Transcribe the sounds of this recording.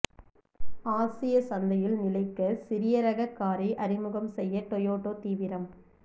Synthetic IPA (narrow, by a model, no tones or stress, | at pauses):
aːsɪjɐsɐnd̪ɐjɪlnɪlɐɪkːɐsɪɾɪjɐɾɐɣɐkːaːɾiʔɐɾɪmɯɣɐmsɛjːɐʈ̪ɔjoːʈːoːt̪iːʋɪɾɐm